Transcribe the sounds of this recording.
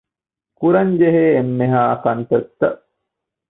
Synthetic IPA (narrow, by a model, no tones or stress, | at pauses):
kuɾɐɲd͡ʒeɦeːmːeɦaːɐkɐnt̪ɐt̪ːɐʔ